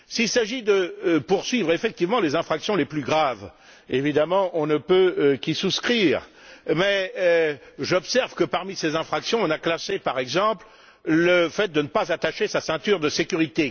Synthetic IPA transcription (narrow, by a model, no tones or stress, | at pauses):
silsaʒid̪əpuʁsɥivʁefɛk̚t̪ivmɑ̃lezɛ̃fχaksjɔ̃leplyɡʁav | evid̪amɑ̃ʔɔ̃nəpøkisuskχiːʁ | mɛ | ʒɔpsɛʁvkəpaʁmisezɛ̃fχaksjɔ̃ɔ̃naklasepaʁɛɡzɑ̃pl | ləfɛt̪̚d̪ənəpazat̪aʃesasɛ̃t̪yʁd̪əsekʲyʁit̪e